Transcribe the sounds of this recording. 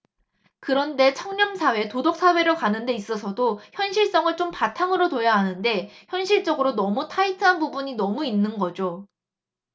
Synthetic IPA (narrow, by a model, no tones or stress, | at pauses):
kɯɾʌnde̞t͡ɕʰʌŋɲʌmsʰawe̞todok̚s͈awe̞ɾokanɯnde̞is͈ʌsʰʌdoçjʌnɕʰiɭs͈ʌŋɯɭt͡ɕompatʰaŋɯɾotojaɦanɯnde̞çjʌnɕʰiɭt͡ɕ͈ʌɡɯɾonʌmutʰaitʰɯɦanbubuɲinʌmuinːɯnɡʌd͡ʑo